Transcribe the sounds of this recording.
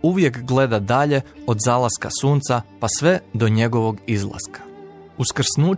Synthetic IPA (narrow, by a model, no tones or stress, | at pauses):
uʋje̞kɡle̞d̪ad̪aʎe̞od̪zaːlˠaska̰suːnt̪sapasʋe̞d̪o̞ɲeɡoʋo̞ɡizlˠa̰skḁ | uskr̩snuː